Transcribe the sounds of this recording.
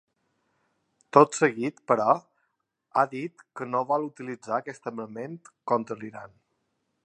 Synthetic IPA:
t̪ot̪səɣit̪pəɾɔ | a̰ðit̪kənoβɔlˠut̪ilid͡zaəkɛst̪əməment̪kɔnt̪ɾəliɾa̰n

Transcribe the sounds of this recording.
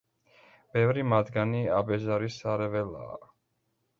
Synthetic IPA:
b̥ɛvɾimad̪ɡaniabɛzaɾisaɾɛvɛla̰ː

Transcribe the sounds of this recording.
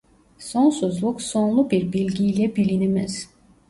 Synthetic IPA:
sonsuzlˠuksonlˠubiɾbilʲɡʲijlɛbilinimɛz̥

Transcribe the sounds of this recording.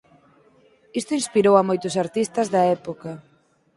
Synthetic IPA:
ist̪ʊĩnspiɾowɐmojt̪ʊsaɾt̪ist̪ɐzðɐɛpokɐ

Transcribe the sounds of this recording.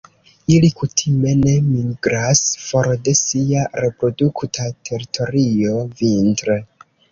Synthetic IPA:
ilikutʰime̞ne̞miɡɾasfo̞ɾde̞siaɾe̞pɾo̞duktʰatʰe̞ɾitʰo̞ɾio̞vintɾe

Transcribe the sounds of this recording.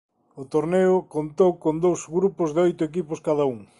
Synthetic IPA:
ʊt̪oɾneʊkont̪owkond̪owzɣɾupʊzðɪojt̪ʊek̬ipʊskaðɐuŋ

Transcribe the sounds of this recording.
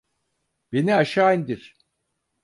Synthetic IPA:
b̥eniaʃajnd̪iɾ̥

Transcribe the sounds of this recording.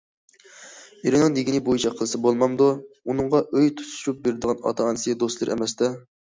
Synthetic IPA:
eɾɪnɨŋd̪eɡʲinɪbojit͡ʃʰɑqʰəlˠɨsɨbolˠmɑmd̪uunɨŋʁɑʔøjt̪ʰu̥t̪ʰu̥t͡ʃʰup̚beɾɪd̪əʁɑnɑ̰t̪ʰɑɑnɨsɨjd̪ost̪lˠɨɾʔɛ̰mɛst̪ɛ

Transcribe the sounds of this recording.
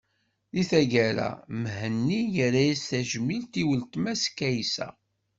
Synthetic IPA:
liθæʝæɾæ̰mhənːijəɾæjisθæʒmilt̪iwəlt̪mæskːæjsæ̰

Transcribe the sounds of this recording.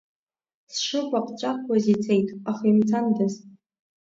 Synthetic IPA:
sʂɨkʷʼaqʷʰʼt͡ɕʷʼatʰwazit͡sʰejtʼaχaimt͡sʰandaz

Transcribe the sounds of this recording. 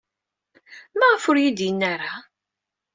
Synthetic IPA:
mæʁəfʊɾjid̪jənːaɾa

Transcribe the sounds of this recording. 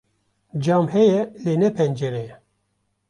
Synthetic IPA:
d͡ʒɑːmhɛjɛleːnɛpʰɛnd͡ʒɛɾɛjɛ

